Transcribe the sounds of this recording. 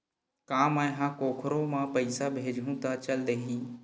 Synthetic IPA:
kãːmãːɦãkoːkʰɾomãːpəɪsabʱeːd͡ʒʱũːt̪at͡ʃəld̪eːɦĩː

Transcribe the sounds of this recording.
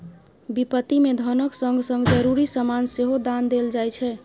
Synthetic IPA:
bipət̪imed̪ʱənəksəŋɡʱsə̃ŋɡd͡ʒəɾuɾisəmanseɦod̪and̪eld͡ʒajt͡ʃʰɛ

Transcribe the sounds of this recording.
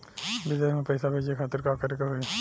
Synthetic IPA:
bɪd̪eːmẽpəjsabʱed͡ʒekʰaːt̪ɪɾkaːkɐɾekeɦoi

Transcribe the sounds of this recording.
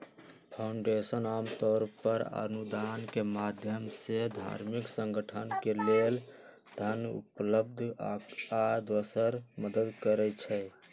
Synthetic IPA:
pʰaʊɳɖesənamt̪ɔɾpəɾə̰nud̪ankemad̪ʱjəmsed̪ʱa̰ɾmiksə̃ŋɡəʈʰənkeleld̪ʱənṵpləbd̪ʱ | ad̪əsəɾməd̪əd̪kəɾɛt͡ʃʰɛ

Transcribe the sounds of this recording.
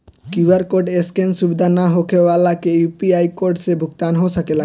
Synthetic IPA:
kjuaɾkoɾɖeskensubid̪ʱanaɦokʰewalakejupiajkoɾɖsebʱuk̚t̪anɦot̪ʰakela

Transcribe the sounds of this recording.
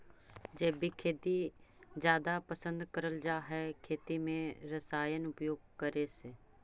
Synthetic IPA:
d͡ʒeːbikʰeːt̪id͡ʒjaːd̪apəsə̃nd̪kəɾəld͡ʒaːɦɛkʰeːt̪imẽɾəsaːjənʊpjoːɡ̚kəɾeseː

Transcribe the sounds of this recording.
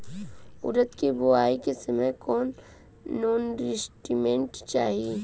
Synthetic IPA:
ʊ̰ɾət̪kibʊaːikesɐmẽkɔːnː | oːnɾɪsʈimẽɳʈt͡ʃaːɦii

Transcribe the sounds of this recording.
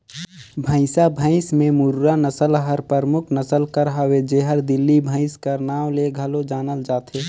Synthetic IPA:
bʱə̃ɪsabʱə̃ɪsmẽmʊɾɾanəsəlɦəɾpəɾmʊkʰnəsəlkəɾɦəwed͡ʒeɦəɾd̪ɪlːibʱə̃ɪskəɾnaːʋleɡʱəlod͡ʒaːnəld͡ʒaːt̪ʰeː

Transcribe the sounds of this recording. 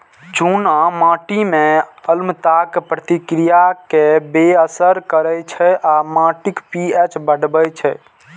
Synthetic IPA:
t͡ʃunamãʈimeəlmət̪akpɾət̪ikɾijakebeəsəɾkəɾəjt͡ʃʰɛʔamãʈikpiɛt͡ʃbəɽbət͡ʃʰɛ

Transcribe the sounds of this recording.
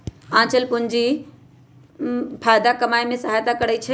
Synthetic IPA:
ãːt͡ʃəlpʊɲd͡ʒi | pʰaːjd̪akəmajmẽsəɦajt̪akəɾɛt͡ʃʰɛ

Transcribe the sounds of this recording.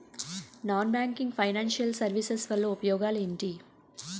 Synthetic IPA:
naːnbjaːŋkiŋɡpʰɐjnaːnʃijɐlsɐɾʋisesʋɐlːoːupɐjɔːɡaːleɳʈi

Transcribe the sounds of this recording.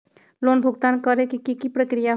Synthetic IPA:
lonbʱuɡt̪ankəɾekikikipɾəkɾija

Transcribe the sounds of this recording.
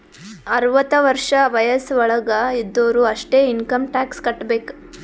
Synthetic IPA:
ɐɾʋɐt̪ɐʋɐɾʂɐʋɐjɐsʋɔɭɐɡɐid̪ːoːɾuɐʂʈeːinkɐmʈaːkskɐʈːbeːk

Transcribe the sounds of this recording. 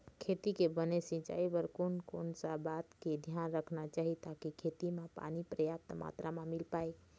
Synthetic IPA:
kʰet̪ikebənesĩt͡ʃa̰ibəɾkonkonsabat̪ked̪ʱjanɾəkʰnat͡ʃaɦit̪akikʰet̪imãpa̰nipɾəjap̚t̪ma̰t̪ɾamãmilpai

